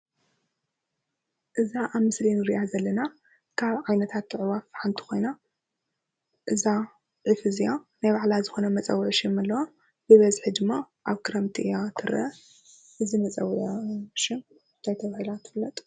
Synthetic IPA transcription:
ʔɨzaʔaβmɨslinɨɾiʔazɐlːɐna | kʰaβʕajnɐt̪ʰat̪ːɨʕɨwafħant̪ʰi̥xo̞jna | ʔɨza | ʕɨfɨzijanajβaʕlazɨxo̞nɐmɐt͡sʼɐ̰wʕʃɪmalːɐwa | bɨβɐzħid̪ɨmːa | ʔaβkʰɨɾɐmt̪ʰiʔɨjat̪ʰɨɾɐ | ʔɨzimɐt͡sʼɐwʔʃɪm | nt̪ʰajt̪ʰɐβahɨlat̪ʰɨflːɐt̪ʼ

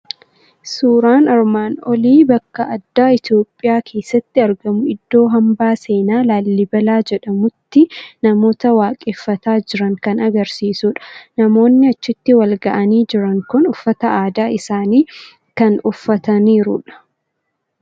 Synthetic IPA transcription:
suːɾaːnɐɾmaːnɔliːbɐkːɐʔɐd̪ːaːɪt̪jo̞ːpʼːɪjaːkʰe̞ːsːɐt̪ːɪɐɾɡɐmʊɪd̪ːo̞ːɦɐmbaːse̞ːnaːlaːlːɪbɐlaːd͡ʒɛᶑɐmʊt̪ːɪnɐmo̞ːt̪ɐwaːkʼeːfːɐt̪aːd͡ʒɪɾɐŋkɐnɐɡɐɾsiːsʊᶑɐ̥nɐmo̞ːnːɪɐt͡ʃːɪt̪ːɪwɐlɡɐʔɐniːd͡ʒɪɾɐŋkʊnʊfːɐt̪ɐaːd̪aːɪsaːniː | kɐnʊfːɐt̪ɐniːɾʊ̰ᶑɐ̥

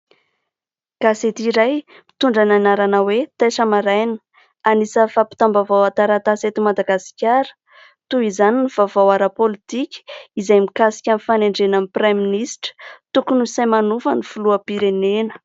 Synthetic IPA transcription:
ɡ̥aset̪iɾaj | mit̪uɳɖ͡ʐananaɾanawet̪eʂəmaɾajnə̥ | anisəfapi̥t̪ambavawat̪aɾat̪aset̪imad̪aɡasi̥kʲaɾə̥ | t̪uizaninivavawaɾapolit̪ikʲə̥izajmikasi̥kʲanifaneɳɖ͡ʐenamipraminisʈ͡ʂə̥t̪ukunusajmanufənifuluəpiɾenenə̥

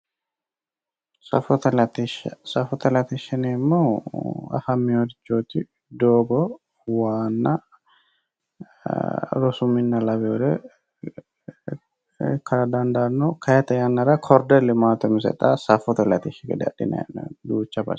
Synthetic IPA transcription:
sɐ̰fɔt̪ɐlɐt̪iʃɐsɐfɔt̪ɐlɐt̪ɪʃɐnemːoːɐ̰fɐmːɪwɔd̪ɪt͡ʃːoːt̪ːɪ | d̪oːɡɔ | waːnːɐ̰ | ɾɔsʊmːɪnːɐlɐbɛɔd̪ɛ | kʰɐɾɐd̪ɐnd̪anːokʰɐjɛt̪ɐjɐnːɐɾɐkʰɔɾd̪ɛlɪmaːt̪ɔmɪs̬ɛ̰t̪ʼːasɐfɔt̪ɐlɐt̪iʃɐɡɛ̰d̪ɐ̰ᶑɪ̰nɐ̰nːɐ̰ɡuːt͡ʃːɐbɐ̰ɾ

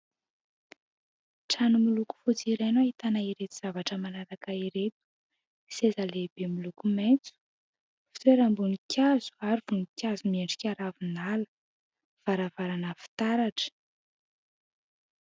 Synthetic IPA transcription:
ʈ͡ʂanumiluku̥fut͡siɾenait̪anaiɾet̪iz̥avaʈ͡ʂəmanaɾakaiɾet̪u̥ | sezaleb̥emilukument͡su̥ | fi̥t̪weɾambunikʰʲazu̥aɾiv̥unikʲazumieɳɖ͡ʐi̥kʲaɾavinalə̥ | v̥aɾavaɾanəfi̥t̪aɾaʈ͡ʂə̥

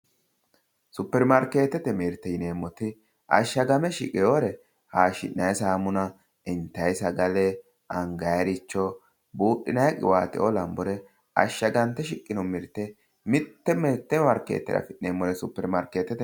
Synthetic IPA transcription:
sʊpːɛɾmɐɾkeːt̪ːɛt̪ɛmiɾt̪ːɛjɪneːmːɔt̪ɪ | ʔɐ̰ʃːɐɡɐmɛʃɪ̰kʼɛjoɾɛ | haːʃɪ̰nnɐjsaːmʊnɐ | ɪnt̪ːɐjsɐɡɐlɛ | ɐŋɡɐjɐɾɪt͡ʃːɔ | buːɗːɪnɐjɐkʼɪ̰waːt̪ɪ̰ʔɔlɐmbɔɾɛ | ʔɐ̰ʃːɐɡɐnt̪ːɛʃɪkʼːɪnɔmɪɾt̪ːɛ | mɪt̪ːɛmɛɾt̪ːɛmɐɾkḛːt̪ːɛ̰ɾɐ̰fɪʔːeːmːɔɾɛsʊpːɛɾmɐɾkeːt̪ːɛt̪ɛ

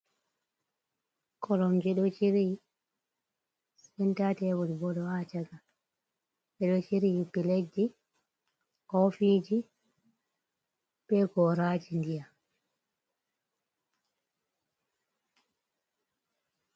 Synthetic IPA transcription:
kʰɔlɔmd͡ʒɛɗɔt͡ʃiɾi | spɛntatɛwɔlibɔɗɔat͡ʃaɡa | ɓɛɗɔt͡ʃiɾipiled͡ʒːi | kɔfid͡ʒi | b̥ɛɡɔɾaːd͡ʒindija

